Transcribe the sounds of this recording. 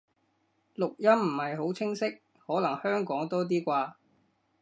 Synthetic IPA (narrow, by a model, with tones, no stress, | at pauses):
lʊ˨k̚jɐ˥mm̩˨˩hɐ˨jɦo˨˥wt͡sʰɪ˥ŋsɪ˥k̚ | hɔː˨˥lɐ˨˩ŋhœː˥ŋkɔː˨˥ŋt̪ɔː˥t̪̬iː˥kʷaː˧